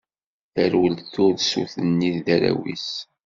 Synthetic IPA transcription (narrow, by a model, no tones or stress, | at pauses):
θəɾwəlθʊɾðsuθənːiððæɾæ̰wḭs